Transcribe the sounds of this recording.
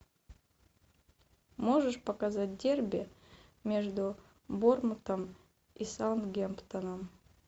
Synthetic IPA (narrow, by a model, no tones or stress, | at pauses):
mo̞ʐɨʂpəkazat̚ʲdʲerbʲɪmʲe̞ʐd̪u | bormɨt̪əm | isant̪ɡʲempt̪ənəm